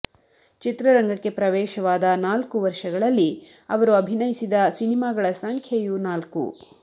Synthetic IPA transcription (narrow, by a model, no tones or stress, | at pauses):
t͡ʃit̪ɾɐɾɐŋɡɐkːe̞pɾɐʋɛːʃɐʋaːd̪ɐnaːlkuʋɐɾʃɐɡɐɭɐlːi | ɐʋɐɾuɐbʱinɐjisid̪ɐsinimaːɡɐɭɐsɐŋkʰejunaːlkṵ